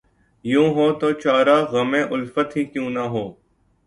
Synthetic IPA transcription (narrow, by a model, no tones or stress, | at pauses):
jũːɦoːt̪oːt͡ʃaːɾaːɣəmẽːʔʊlfət̪ɦiːkjũːnaɦoː